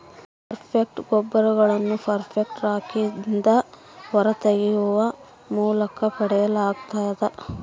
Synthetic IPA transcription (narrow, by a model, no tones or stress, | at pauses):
ppɐɾpʰek̚ʈɡɔbːɐɾɐɡɐɭɐnːupʰɐɾpʰek̚ʈɾaːkind̪ɐ | ʋɐɾɐt̪eɡɛjuʋɐ | muːlɐkɐpɐɽɛjɐlaːɡt̪aːjd̪ɐ